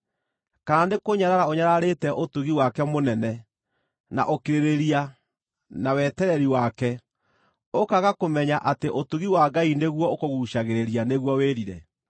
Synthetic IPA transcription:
kaandekoɲaɾaɾaoɲaɾaɾetɛʔotuɣiwakɛmonɛnɛ | na̰ʔokeɾeɾeɾia | nawɛtɛɾɛɾiwakɛ | okaɣakomɛɲaʔateʔotuɣiwaɡaineɣwɔokoɣuʃaɣeɾeɾijaneɣwɔweɾiɾɛ̰

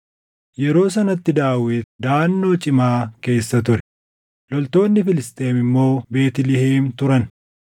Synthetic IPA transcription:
jɛɾo̞ːsɐnɐt̪ːɪd̪aːwɪt̪d̪aːnːo̞ːt͡ʃʼɪmaːke̞ːsːɐt̪ʊɾɛ̥ | lɔlt̪o̞ːnːɪfɪlɪst̪ʼe̞ːmɪmːo̞ːbe̞ːt̪ɪlɪheːnt̪ʊɾɐn

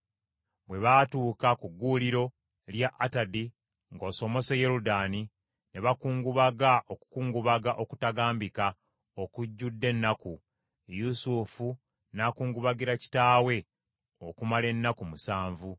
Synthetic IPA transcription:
bwe̞βaːtuːkakuɡːuːliɾo̞ | ljaʔatadi | ŋɡo̞ːso̞mo̞se̞je̞ɾudaːni | ne̞βakuːŋɡuβaɡaʔo̞ku̥kuːŋɡuβaɡaʔo̞ku̥taɡaːmbika | okuɟːudːe̞nːaku | jusufu | nakuːŋɡuβaɡiɾaci̥taːwe̞ | o̞kumale̞nːakumusaːɱvu

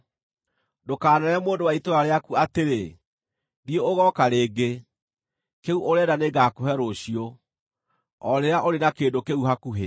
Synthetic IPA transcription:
dokaːnɛɾɛmoːndowaitoɾaɾeakuateɾe | diooɣɔkaɾeːɡe | keuʔoɾɛːdaneɡakoɦɛɾoɕio | ɔɾeaʔoɾenakeːndokeuɦakuɦe

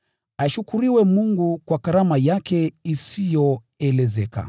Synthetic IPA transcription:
aʃukuɾiwɛmuŋɡukwakaɾamajakɛisijɔ | ɛlɛzɛka̰

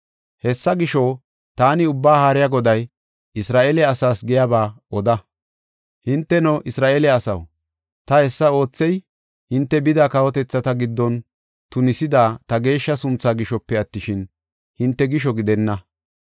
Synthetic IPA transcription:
hɛsːɐɡɪʃɔ | t̪aːnɪʊbːaːhaːɾɪjɐɡɔd̪ɐj | ɪsɾaːʔeːlɛɐsaːsɡɛjabaːɔd̪ɐ | hɪnt̪ːɛnɔʔɪsɾaːʔeːlɛɐsɐ̰w | t̪ɐhɛsːɐo̞ːt͡sːɛj | hɪnt̪ːɛbɪd̪aːkɐwɔt̪ɛt͡sːɐt̪ɐɡɪd̪ːɔn | t̪ʊnɪsɪd̪aːt̪ɐɡe̞ːʃːɐsʊnt͡sːaːɡɪʃɔpːɛɐt̪ːɪʃɪn | hɪnt̪ːɛɡɪʃɔɡɪd̪ɛnːɐ

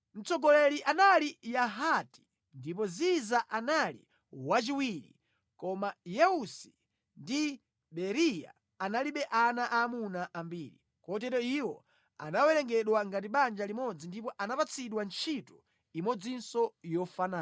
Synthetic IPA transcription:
m̩t͡sɔɡɔlɛliʔanalijaɦati̥ | ndip̬ɔzizaʔanalḭ | wat͡ʃiwiɾḭ | kɔmajɛusi̥ | ndi | ɓɛɾija̰ | analiɓɛʔanaʔaːmunaʔambiːɾḭ | kɔtɛtɔiwɔ | a̰nawɛlɛŋɡɛɗwaŋɡatiɓand͡ʒalimɔd͡zindip̬ɔʔanapat͡sʰiɗwant͡ʃʰitu̥ | imɔd͡zinsɔjɔfanaː

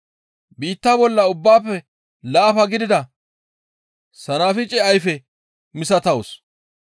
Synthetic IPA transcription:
biːt̪ːabɔlːɐʊbːaːpːɛ | laːfɐɡɪd̪ɪd̪ɐ | sɐnaːfɪt͡ʃʼɛɐjfɛ | mɪsɐt̪ɐws

